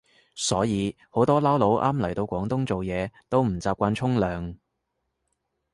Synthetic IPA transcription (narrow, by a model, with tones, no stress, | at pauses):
sɔː˨˥jiː˨˧ | ho˨˥wt̪ɔː˥lɐː˥wlo˨˧˥wʔaː˥mlɐ˨˩jt̪o˧wkʷɔː˨˥ŋt̪ʊ˥ŋt͡so˨wjɛː˨˧t̪o˥wm̩˨˩t͡saː˧p̚kʷaː˧nt͡ʃʰʊ˥ŋlœː˨˧ŋ